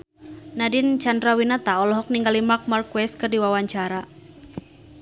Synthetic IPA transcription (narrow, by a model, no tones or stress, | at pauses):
nadint͡ʃandɾawinat̪aɔlɔɦɔk̚niŋɡalimak̚markwɛs̚kɨrdiwawaɲt͡ʃaɾa